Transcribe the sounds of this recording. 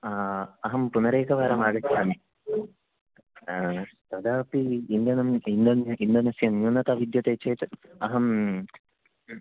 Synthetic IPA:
aɐɦɐmpunɐɾeːkɐʋaːɾɐmaːɡɐsaːni | t̪ɐd̪aːpiːnd̪ɐnɐmind̪ɐnind̪ɐnɐsjɐnɲunːɐt̪aʋid̪jɐt̪eːt͡ʃːɐːt̪ɨɐɦɐm

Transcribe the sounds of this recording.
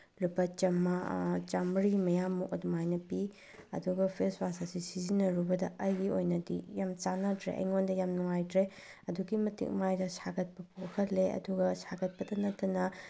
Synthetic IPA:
lupːɐt͡ʃɐmːɐt͡ʃamɾimɐjamːukɐ̰dumajnɐpi | ɐ̰duɡɐpʰeswasasisizinɐɾubɐdɐʔɐjbiojnɐdḭjamt͡ʃanɐdɾḛʔɐ̰jŋondɐjamnuŋajdɾe | ɐduɡimɐtḭk̚majdɐsaɡɐt̚pɐpʰokʰɐtleɐ̰duɡɐsaɡɐt̚pɐdɐnɐtːɐnɐ

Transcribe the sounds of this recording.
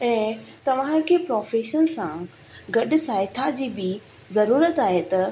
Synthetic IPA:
ɛ̃ːt̪ɐʋ̤ãkʰeːpɾɔːfeːʃənsã | ɡɐɗɪ̆saːet̪ʰad͡ʑiːbɪ | zɐɾuːɾət̪aːɦet̪ɐ

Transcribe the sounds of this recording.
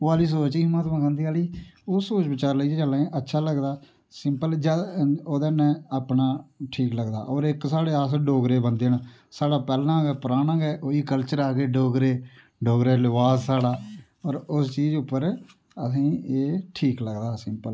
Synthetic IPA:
oaːliːs̬oːt͡ʃiːmãːt̪mãːkʰə̃nd̪iːaːliːoːsoːt͡ʃbɪt͡ʃaːɾləid͡ʒed͡ʒəlãʔətːʃʰaːləɡd̪aː | sɪmpəld͡ʒaoːd̪enɛ̃ːaːpnaːʈʰiːkləɡd̪a̰ːʔɔːɾɪksaːɽeːaːsɖoːɡɾeːbənd̪eːnː | saːɽaːpɛːlnãːɡɛːpəɾaːnãːɡɛːʔoːiːkəlt͡ʃəɾaːɡeːɖoːɡɾeː | ɖoːɡɾeːlɪʋaːzsaːɽaː | ɔːɾʊst͡ʃiːd͡ʒʊpːəɾ | əsĩːeːʈʰiːkləɡd̪aːsɪmpəl

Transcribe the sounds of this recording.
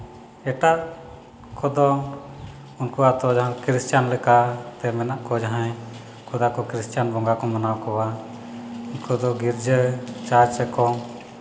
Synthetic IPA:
ɛʈaʔ | kʰɔd̪ɔ | unkuwat̪ɔd͡ʒaɦãkɾistjanlɛkat̪ɛmɛnaʔkɔd͡ʒaɦãj | kʰɔd̪akɔkɾistjanbɔŋɡakɔmanawkɔwa | unkɔd̪ɔɡiɾd͡ʒət͡ʃat͡ʃɛkɔ

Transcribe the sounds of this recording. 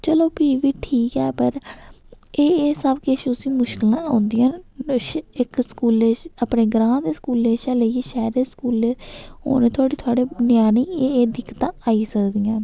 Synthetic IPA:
t͡ʃəloːpiːʋiːʈʰiːkɛːpəɾ | eːeːsəbkeʃʊsĩːmʊʃkɪlãːõːnd̪ijãː | ɪkskuːleːəpɳeːɡɾãːd̪eːskuːlːeːʃaːləiːʃɛːɾeːskuːleːo̰ːneːt̪ʰoaːɽiːt̪ʰoaːɽeːnjaːniːeeːd̪ɪkːt̪ãːaːiːsəkd̪iːãː

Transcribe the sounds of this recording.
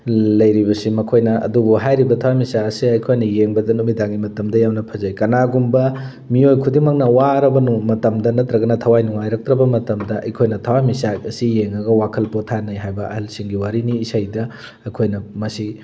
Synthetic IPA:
lɐjɾibɐsimɐkʰojnɐɐ̰dubuɦajɾibɐtʰɐwamisaɐsiɐjkʰojnɐjeŋbɐdɐnumidaŋimɐtɐmdɐjawnɐpʰɐzɐjkɐnaɡumbɐ | miojkʰudimɐk̚nɐwaɾɐbɐnumɐtɐmdɐnɐt̪ɾɐɡɐnɐtʰɐwajnuŋajɾɐk̚tɾɐbɐmɐtɐmdɐʔɐ̰jkʰojnɐtʰɐwamisaɐsijeŋɐɡɐwakʰɐlpotʰanɐjɦajbɐɐ̰hɐlsiŋɡiwaɾiniːsajdɐ | ɐkʰojnɐmɐsi

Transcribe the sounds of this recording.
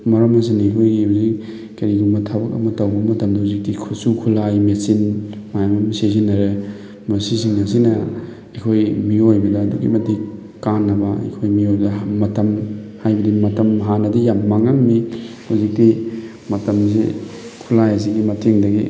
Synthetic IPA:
mɐɾɐmɐs̬iniɐkʰojɡihuzik̚ | kɐɾiɡumɐtʰabɐkɐ̰mɐtɐwbɐmɐtɐmdɐhuzik̚tikʰusukʰulajmesinmajamamsez̬inːɐɾe | mɐsisiŋɐs̬inɐ | ekʰojmiojbɐdɐːduɡḭmɐti | kanːɐbɐḛkʰojmiojbɐdɐmɐtɐmhajbɐdimɐtɐmɦanɐdijamːaŋaŋmihuzik̚ti | mɐtɐms̬ḭkʰulajɐs̬iɡimɐtʰeŋdɐɡi

